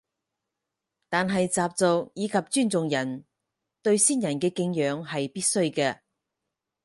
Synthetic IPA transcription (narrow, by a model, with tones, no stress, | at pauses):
t̪aː˨nɦɐ˨jt͡saː˨p̚t͡sʊ˨k̚jiː˨˧kʰɐ˨p̚t͡ʃyː˥˩nt͡sʊ˨ŋjɐ˨˩n | t̪ɵ˧ɥsiː˥˩njɐ˨˩nkɛː˧kɪ˧ŋjœː˨˧ŋɦɐ˨jpiː˥t̚sɵ˥ɥkɛː˧